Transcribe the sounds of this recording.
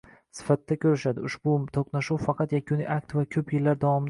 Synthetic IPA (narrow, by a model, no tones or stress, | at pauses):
sɪ̥fat̪ːakʲʰɵɾɪʃad̪ɪʊʃbʊt̪ʰoqnaʃuwfɑqʰɑt̪jakʲʰʊnḭjʔak̚ʲt̪vakʲʰɵpjɪlːaɾd̪avɒmɪd̪